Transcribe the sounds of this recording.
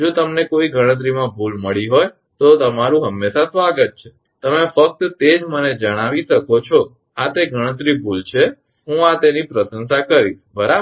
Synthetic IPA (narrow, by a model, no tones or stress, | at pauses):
d͡ʒot̪əmnekoiɡʱəɽ̃ət̪̬ɾimãbʱulməɭiɦoj | t̪ot̪əmaɾũɦəmːesasʋaɡət̪̚t͡ʃʰe̥ | t̪əmefək̚t̪t̪ed͡ʒməned͡ʒəɽ̃aʋiʃəkot͡ʃʰo | at̪eɡʱəɽ̃ə̃t̪ɾibʱult͡ʃʰe | ɦũat̪enipɾəsənsakəɾiʃbʱəɾab